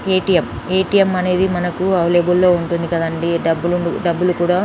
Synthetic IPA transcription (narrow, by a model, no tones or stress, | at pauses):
eːʈijem | eːʈijemɐne̞ːd̪imɐnɐkuɐʋleːbulːo̞ːuɳʈund̪ikɐd̪ɐɳɖiɖɐbːuluɳuɖɐbːulukuːɽaː